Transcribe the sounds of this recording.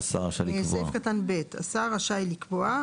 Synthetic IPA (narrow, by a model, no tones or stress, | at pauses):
sa̰ʁaʃalievsefkatanbeta̰saʁaʃailikvoa